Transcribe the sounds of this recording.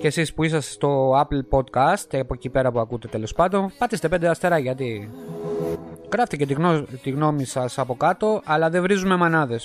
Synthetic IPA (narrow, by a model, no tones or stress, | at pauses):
ce̞sispuisɐsst̪o̞ɐplpo̞t̪kɐst̪epocipe̞ɾɐpuɐkut̪e̞t̪e̞lo̞spɐnd̪o̞npɐt̪ist̪e̞pend̪eɐst̪e̞ɾɐʝɐt̪i | ɣɾɐft̪ice̞t̪it̪iɣno̞misɐsɐpo̞kɐt̪o̞ʔɐlɐðe̞vɾizume̞mɐnɐðe̞s